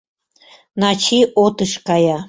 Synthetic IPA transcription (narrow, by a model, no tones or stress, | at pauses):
nɑt͡ɕiʔot̪əʃkɑjɑ